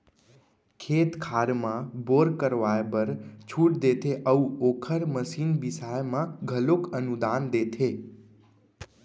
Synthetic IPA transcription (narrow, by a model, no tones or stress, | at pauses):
kʰeːt̪kʰaɾmãboɾkəɾʋajebəɾt͡ʃʰuʈ̚d̪et̪ʰeʔəuokʰəɾməsiːnbɪsajmãɡʱəlokənud̪and̪et̪ʰe